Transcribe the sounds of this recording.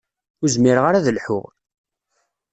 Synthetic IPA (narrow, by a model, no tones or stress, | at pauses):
ʊɾzmɪɾʁaɾæðəlħʊ̰ʁ